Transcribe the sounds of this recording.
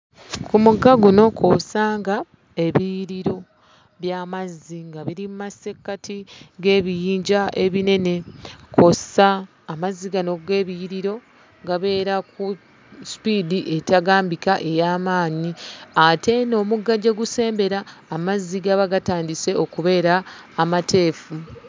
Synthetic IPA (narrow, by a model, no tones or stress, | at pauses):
kʰumuɡːaɡuno̞kʰosaːŋɡa | e̞βijɾiɾo̞ | βjamazːiŋɡaβiɾimumase̞kːatiɡe̞ːβijiːɲɟaʔe̞βine̞ne̞kʰo̞saː | mazːiɡano̞ɡe̞ːβijɾiɾo̞ | ɡaβe̞ːɾaku | spidiʔe̞taɡaːmbikaʔe̞jaːmaːɲiate̞no̞muɡːaɟeɡuse̞ːmbe̞ɾaːmazːiɡaβaɡataːndise̞o̞kuβe̞ːɾaːmatʰe̞ːfu